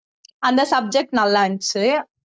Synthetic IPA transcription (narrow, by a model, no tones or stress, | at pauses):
ɐnd̪ɐsɐb̚d͡ʒɛk̚ʈnɐlːaɐnt͡ʃɯ